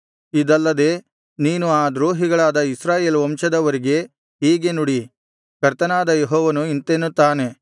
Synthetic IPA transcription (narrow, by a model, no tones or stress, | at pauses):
id̪ɐlːɐd̪e̞ː | niːnuaːd̪ɾoːɦiɡɐɭaːd̪ɐisɾaːje̞ːlʋɔmʃɐd̪ɐʋɐɾiɡe̞ | ɦiːɡe̞nuɽi | kɐɾt̪ɐnaːd̪ɐjeɦɔːʋɐnuint̪enut̪ːaːne̞